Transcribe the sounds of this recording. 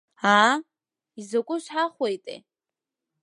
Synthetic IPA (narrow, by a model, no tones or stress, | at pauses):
a | izakʷʼʊʃʷħaχwejtʼḛ